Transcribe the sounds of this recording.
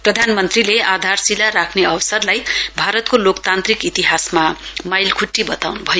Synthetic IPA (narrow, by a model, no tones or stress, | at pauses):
prʌd̪ʱanmʌnt̪rilead̪ʱarsilaɾakʰneʌwʌsʌrlajbʱaɾʌt̪kolokt̪ant̪rikit̪iɦasmamajlkʰuʈːibʌt̪awnubʱʌjo